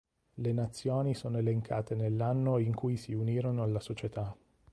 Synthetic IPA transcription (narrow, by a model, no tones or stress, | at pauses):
lenat̪sːjoːnisoːnoeleŋkʰaːt̪enelːanːoiŋkujsiuniːɾonoalːasot͡ʃet̪a